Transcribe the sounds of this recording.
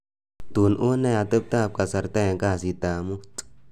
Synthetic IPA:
t̪u˨nʔo˦na˦ja˨t̪ə˦p̚t̪a˦a˨p̚ka˨sa˨ɾt̪a˦ja˨ŋka˦a˨si˨t̪a˨mu˦t̪ʼ

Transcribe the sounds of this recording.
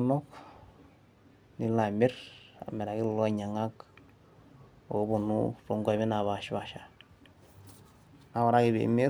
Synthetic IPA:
mɔk | ni˦la˨me˦ɾa̰˨me˨ɾa˨ɡi˦llo˦ɲa˨ŋa˦k | o˨˦bu˨nṵɾo˨ŋɡa˨mi˦na˨βa˨ʃβaʃa | na˦wa˨ɾa˦ki˨βḛ˨me˦

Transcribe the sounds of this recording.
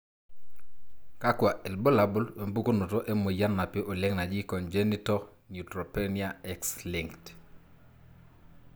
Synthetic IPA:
ka˦kwa˨ʔɛ˨lbo˦la˨bʊ˦lwe˨mbu˦ko˦no˨to˦ʔɛ˦mo˨ja˦nːa˨peʔo˨le˦ŋna˨d͡ʒi˦kɔnd͡ʒɛ˦ni˦tɔ | njutɾɔ˨pɛnia˦ɛkslɪŋkt

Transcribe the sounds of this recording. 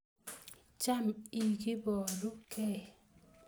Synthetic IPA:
t͡ʃa˦mi˨ɡi˦bɔ˨lu˦kʰɛ˦˨

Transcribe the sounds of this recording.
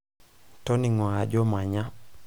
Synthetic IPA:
tɔ˦ni˨ŋwa˨d͡ʒɔ˦ma˨ɲa˦

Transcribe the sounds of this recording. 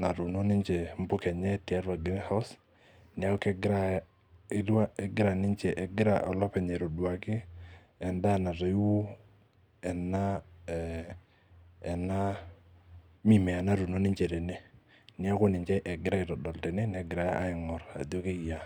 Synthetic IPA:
na˨ɾu˨no˦nɪ˦nt͡ʃe˨m˦bʊ˦kɛ˨ɲɛ˦tɪ˨a˦ɾa˨ɡɪ˦ɾɛ˦hɔ˦s | nɪ˨a˦kɛ˦ɡɪ˦ɾa˦˨ | ɪ˦lwa˦ɛ˨ɡɪ˦ɾa˨nɪ˦nt͡ʃɛ˨ʔɛ˨ɡɪ˦ɾa̰˨ʔɔ˨lɔ˦pɛ˨ɲɛ˨ɾo˨dwa˨kɪ˦ | ɛ˨nda˦na˨tɔ˨˦wu˦ | ɛ˨na˦ | ɛ˨na˦ | mi˦˨mɛ˨a˨na˨ɾu˨no˦nɪ˦ɲt͡ʃe˨ɾɛ˨ne˦ | nɪ˨a˦ko˦nɪ˨ɲt͡ʃɛ˦ʔɛ˨ɡɪ˦ɾa˦ɪ˨tɔ˨dɔ˨ltɛ˨ne˦nɛ˨˦ɡɪ˨ɾa˨˦ʔa̰˦ɪ˨ŋɔ˨ɾa̰˨di˦o˦ke˦i˨ja˨

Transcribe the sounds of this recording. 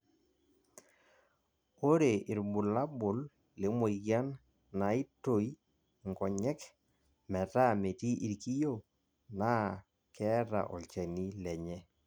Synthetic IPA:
o˦ɾe˨ɪ˨ɾbʊ˨la˦bʊ˨l | le˨˦mo˨iɡja˦n | na˨˦i˦to˨i˦ | ŋɡɔ˨ɲɛ˦k | mɛ˨ta˦˨me˨ti˦ʔi˨ɾki˦jo˦˨ | na˦ | kɛ˦ɾa̰˨ʔɔ̰˨lt͡ʃɛ˨ni˦lɛ˨ɲɛ˦

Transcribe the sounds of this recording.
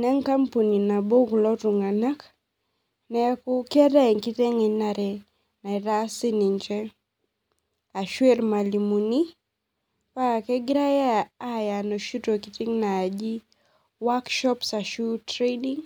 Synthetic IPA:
na˦ŋka˦mpu˨ni˨na˨bo˦ɡlɔ˦tu˨ŋa˨na˦k | nɛ˨a˦ku˦kɪ˦a˦da˦ɛ˨ŋki˦te˦ŋi˨na˨ɾɛ˨ | na˨ɪ˨ɾa˦si˦ni˨ɲt͡ʃɛ˦ | a˨ʃwe˦ɾma˨li˨mu˨ni˦ | pa˦a˨kɛ˦ɡɾa˦jaː˦ja˨no˨ʃu˦to˨ki˦ti˦ŋna˨a˨d͡ʒi˦ | wa˦kʃɔ˦psa˨ʃu˦tɾe˦di˦ŋ

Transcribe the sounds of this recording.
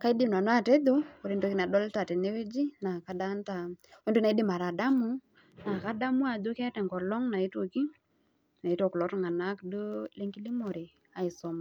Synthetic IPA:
ka˦i˦dɪ˦mn˨a˨nwa˦te˦d̪o˦ko˨ɾe˦ndo˦ki˦na˨dɔ˦lta˨tɛ˨ne˦we˦d͡ʒi˦na˨ka˦da˦nta˨e˦ndu˦na˨i˦dɪ˦ma˨ɾa˨da˦mʊ˦ | na˨ka˦da˦mu˦a˨do˦kɛ˦tɛ˨ŋɡɔ˨lɔ˦ŋna˨i˦to˨ki˦ | na˨i˦to˦˨klɔ˨˦tu˦ŋa˨na˦kdo˦le˦ŋɡi˦li˦mɔ˨ɾɪ˨ | a˨ɪ˨sɔ˨ma˨

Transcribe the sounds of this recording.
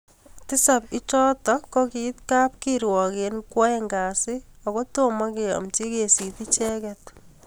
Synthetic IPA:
tɪ˦sa˨pɪ˦t͡ʃɔ˦tɔ˦kɔ˦kitka˦p̚kiɾwɔ˨ke˨nkwɔ˦ɛ˦ŋɡa˨sɪ˦ɔ˨ko˦to˦ma˦ke˨ɔ̰˨mt͡ʃi˦ke˨si˨ti˦t͡ʃɛ˦kɛt

